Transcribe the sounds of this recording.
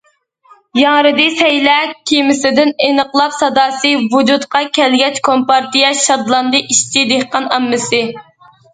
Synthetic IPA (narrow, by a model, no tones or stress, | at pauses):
jɑŋɾɨd̪ɨsɛjlɛkʲʰimɪsɪd̪ɪnenəqlˠɑpsɑd̪ɑːsɨvud͡ʒut̪qʰɑkʲʰɛlɡʲɛt͡ʃkʰompɑɾt̪ijɛʃɑd̪lˠɑnd̪ɨʔiʃt̪ʰid̪ehqɑnɑmːɨsɨ